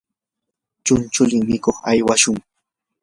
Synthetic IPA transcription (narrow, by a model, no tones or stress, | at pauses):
t͡ʃʊnt͡ʃʊʎɪŋmɪkoχajwaʃʊŋ